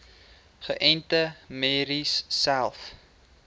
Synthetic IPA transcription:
χəʔɛntəmeɾisːælˠf

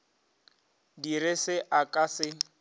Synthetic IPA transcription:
dirɪsɪʔakʼasɪ

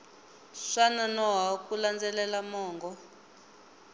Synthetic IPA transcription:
ʂananɔɦaukuland͡zɛlɛlamɔːŋɡɔ

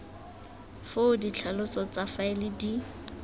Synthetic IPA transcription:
fodit͡ɬʰalʊt͡sɔt͡safaɪlɪdi

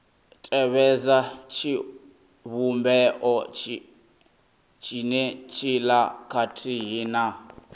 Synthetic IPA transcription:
tʼɛβɛzat͡ʃʰi | βumbɛʔɔt͡ʃi | t͡ʃʰʼinɛt͡ʃʰilakʰatʰiɦina

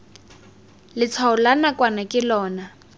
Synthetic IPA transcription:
lɪt͡sʰwaʊlanakʼwanakʼɪlɔːna

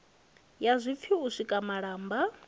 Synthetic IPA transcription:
jazʷip̪fʰiusʷikʼamaɺaːmba

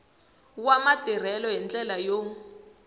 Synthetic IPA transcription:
wamadʱir̤ɛlɔɦɛnd͡ɮʼɛlajo

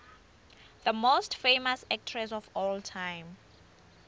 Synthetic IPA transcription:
ðəmostfejmasɛk̚tʰɹɛsɔfɔltʰãjm

